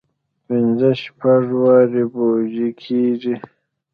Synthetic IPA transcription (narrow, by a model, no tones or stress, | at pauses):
pinzəʃpaʐwaːɾiboːʑikʰiːʐi